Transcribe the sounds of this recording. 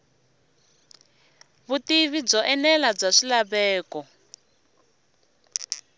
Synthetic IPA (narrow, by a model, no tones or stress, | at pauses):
βutiβib͡ʐɔʔɛnɛlab͡ʐaʂilaβɛːkɔ